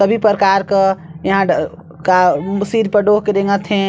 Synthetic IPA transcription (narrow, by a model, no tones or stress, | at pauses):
səbʱipɾɾəkaɾkejɐɦã | kasiːɾpəɾɖoːɦkeɾeŋət̪ɦɛ̃